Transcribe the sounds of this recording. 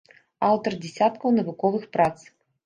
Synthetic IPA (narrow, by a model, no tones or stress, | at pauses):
awt̪ɐrd͡zʲɛsʲat̪kɐwnɐvukɔvɨxpɾat̪s